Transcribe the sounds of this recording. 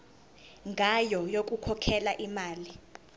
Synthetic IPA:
ŋɡʱajɔjok̬ʼukʰɔkʰɛlaʔimaːli

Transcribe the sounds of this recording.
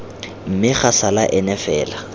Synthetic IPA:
m̩mɪχasalaʔɛnɛfɛːla

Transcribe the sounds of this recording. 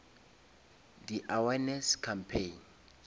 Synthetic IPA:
diʔawɛnɛskʰampʰen

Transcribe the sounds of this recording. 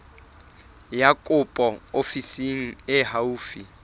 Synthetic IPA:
jakʼʊpʼɔofisiŋ̩ɪhauːfi

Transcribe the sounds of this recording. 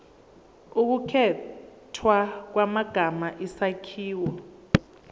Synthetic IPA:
uk̬ukʰɛtʰwak̬wamaɡ̥ʱamaʔisakʰiːwɔ

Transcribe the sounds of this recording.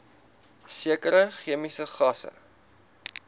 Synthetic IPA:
siəkəɾəχiəmisəχɐsə̰

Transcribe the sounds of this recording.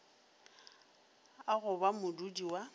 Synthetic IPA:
aɣʊbamʊdudiwa

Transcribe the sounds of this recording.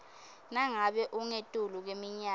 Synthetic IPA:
naŋaɓɛʔuŋetʼuluk̬wemiɲa

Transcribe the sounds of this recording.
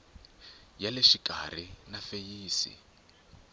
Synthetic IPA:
jaleʃikʼa̰r̤inafejiːsḭ

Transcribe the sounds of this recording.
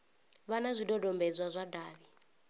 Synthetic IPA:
βanazʷidɔdɔmbɛd͡zʷwazʷadaːβi

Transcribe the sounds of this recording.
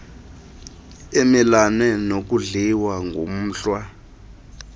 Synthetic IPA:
emilanɛnok̬uɮiwaŋɡʱo̰m̩ːɬwa

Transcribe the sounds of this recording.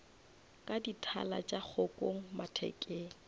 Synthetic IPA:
kʼaditʰa̰la̰t͡ʃʼak͡xʰokʼoŋ̩matʰɛ̰kʼeːŋ̩

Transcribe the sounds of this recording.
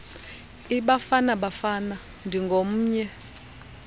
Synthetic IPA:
iɓafanaɓafana | ndʱiŋɡʱom̩ːɲɛ

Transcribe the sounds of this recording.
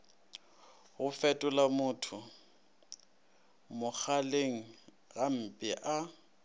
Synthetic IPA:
ɣʊfɛtʼʊlamʊːtʰʊ | mʊk͡xʰaleŋ̩ | ɣam̩pʼɪʔa

